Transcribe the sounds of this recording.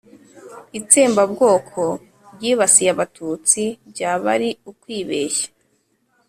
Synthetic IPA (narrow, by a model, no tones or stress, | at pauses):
it͡siːmbabɡo̞ːkʰo̞ | bɟiːβasijaβatʰut͡sibɟaːβaɾiukwiːβeːʃḁ